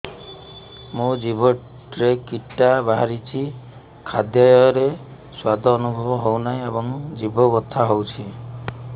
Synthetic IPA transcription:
mũd͡ʒibɔ | ɾekiʈːabaɦaɾit͡ʃʰi | kʰad̪jɔjɔjɔɾe | swad̪ʱɔːnubʱɔbɔɦownaĩebɔŋd͡ʒibɔbɔt̪ʰːaɦowt͡ʃʰi

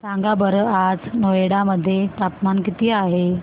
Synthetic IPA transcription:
saŋɡabəɾəad͡znojeɽaməd̪ʱːjet̪apmankit̪iːaɦe

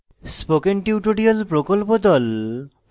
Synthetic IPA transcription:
spokenʈiwʈoɖiolpɾokolpod̪ɔl

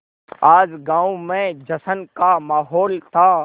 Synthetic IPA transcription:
aːd͡ʒɡãːumẽd͡ʒɐsənkamaːɦɔːlt̪ʰa

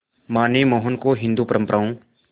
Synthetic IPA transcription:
maːneːmoːɦənkoɦɪ̃nd̪uːpəɾə̃mpəɾaːõː

